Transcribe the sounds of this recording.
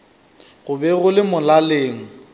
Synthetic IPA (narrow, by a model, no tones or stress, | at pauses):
ɣʊbɛɣʊlɪmʊlaleːŋ̩